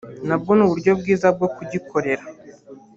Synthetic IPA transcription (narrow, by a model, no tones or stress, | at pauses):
nab̚ɡonuβuɾɟo̞bɡiːzab̚ɡo̞kuɟikʰo̞ɾe̞ɾa